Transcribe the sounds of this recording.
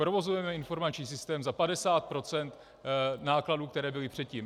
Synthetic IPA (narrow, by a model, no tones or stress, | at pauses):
pɾovo̞zujɛmɛɪnfo̞ɾmat͡ʃɲiːs̬ɪst̪ɛːmzapadɛsaːt̪̚pɾo̞t͡sɛnt̪ | naːkladuːkt̪ɛɾɛːbɪlɪpr̝̥ɛt̪ciːm